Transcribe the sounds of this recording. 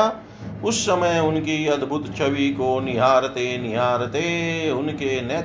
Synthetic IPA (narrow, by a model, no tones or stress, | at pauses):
ʊsːɐməjʊnkiɐd̪bʱʊt̪t͡ʃʰɐʋikoːnɪɦaːɾət̪eːnɪɦaːɾət̪eːʊnkenɛː